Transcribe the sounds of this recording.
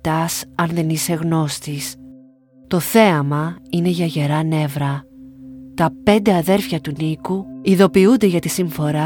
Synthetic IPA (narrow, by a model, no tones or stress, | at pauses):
t̪ɐsɐnðe̞nise̞ɣno̞st̪is | t̪o̞θe̞ɐmɐine̞ʝɐʝe̞ɾɐne̞vɾɐ | t̪ɐpe̞nd̪e̞ɐðe̞ɾfçɐt̪unikuiðo̞piund̪e̞ʝɐt̪isiɱfo̞ɾɐ